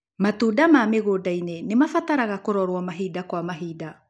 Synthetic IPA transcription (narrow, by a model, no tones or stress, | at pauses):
matudamameɣodajnenemafataɾaɣakoɾɔɾoamaɦidakwamaɦida